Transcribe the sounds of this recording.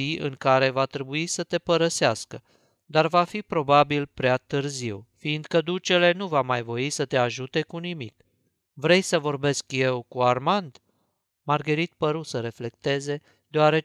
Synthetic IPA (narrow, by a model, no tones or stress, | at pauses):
iʔɨ̰ŋkaɾe̞vat̪ɾe̞buisət̪e̞pəɾəseaskə | d̪arvafipɾo̞babilpɾeat̪ɨrziwfiːnd̪kəd̪ut͡ʃe̞le̞nuvamajvo̞isət̪e̞aʒut̪e̞kunimḭk | vɾe̞jsəvo̞rbe̞skje̞wkuarmand̪ | marɡəɾit̪̚pəɾusəɾe̞fle̞kt̪e̞ze̞ | d̪eaɾe̞